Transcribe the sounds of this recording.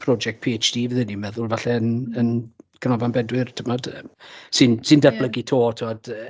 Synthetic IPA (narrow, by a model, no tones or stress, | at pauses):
pʰrɔd͡ʒɛk̚t̚pʰiet͡ʃd̥iːvəðɨnimɛðʊlˠvaɬɛənənkʰənɔvanbɛdwɪrtʰəmɔd̥əmsɨnsɨndarb̥ləɡitʰoːtʰəɔd̥ə